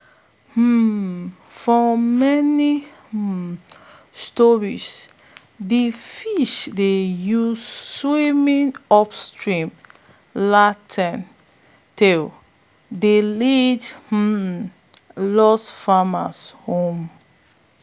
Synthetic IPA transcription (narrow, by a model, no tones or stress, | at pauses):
h̩ | fɔmɛni | stɔɹis | difiʃdejusswimĩnɔpstɹĩm | latʰɛ̃n | tʰe | delidh̩ | lɔsfama̰shõm